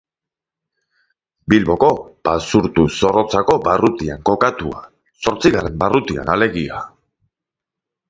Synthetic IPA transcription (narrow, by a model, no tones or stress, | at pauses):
bilβo̞ko̞basuɾt̪uso̞ro̞t͡sako̞barut̪iaŋko̞kat̪ua̰ | so̞ɾt͡siɣare̞mbarut̪ia̰nale̞ɣia